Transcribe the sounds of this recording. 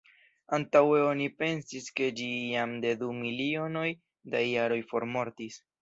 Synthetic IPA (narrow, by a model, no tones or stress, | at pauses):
antawe̞o̞nipe̞nsiske̞d͡ʒijamde̞dumilio̞no̞j | dajaɾo̞jfo̞ɾmo̞ɾtis